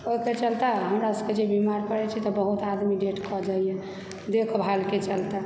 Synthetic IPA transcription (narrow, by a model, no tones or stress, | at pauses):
oket͡ʃəlt̪aɦəmɾasked͡ʒebimaɾkəɾɛt͡ʃʰit̪ɔbəɦut̪ad̪miɖeʈkɔd͡ʒaijɛ̃ | d̪ekʰbʱalket͡ʃəlt̪a